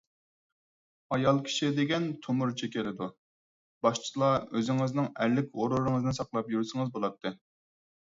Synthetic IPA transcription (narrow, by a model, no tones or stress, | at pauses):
ɑjɑlˠkʲʰi̥ʃid̪eɡʲɛnt̪ʰomuɾt͡ʃʰikʲelɪd̪u | b̥ɑʃt͡ʃʰlˠɑøzɪŋɪznɪŋæɾlːɪkʲoɾuɾɨŋɨznnsɑqlˠɑpjyɾsɪŋɨzbolˠɑt̪ʰːɨ